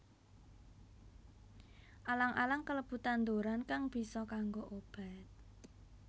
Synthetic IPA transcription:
ʔalaŋʔa̰laŋkələb̥ṳt̪and̪oɾankaŋb̥i̤sɔkaŋɡoʔob̥a̤t̪̚

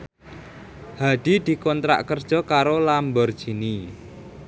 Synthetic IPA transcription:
haɖ̪̥i̤d̪̥i̤kɔnt̪ɾa̰ʔkərd̥ʒ̥ɔ̤kaɾolambɔrd̥ʒ̥i̤ni

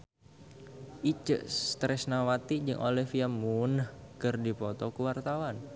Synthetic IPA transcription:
ʔit͡ʃəʔst̪ɾɛsnawat̪id͡ʒɨŋʔolɛhfiamunkɨrdipɔt̪ɔkuwart̪awan

